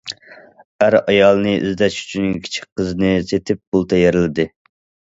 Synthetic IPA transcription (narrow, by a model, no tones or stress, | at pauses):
æɾɑjɑlˠnɨʔy̰zd̪ɛʃy̥t͡ʃʰynkʲʰi̥t͡ʃʰi̥k̚qːəznɨset̪ʰɪp̚b̥ulˠt̪ʰɛjeɾɪlɪd̪ɨ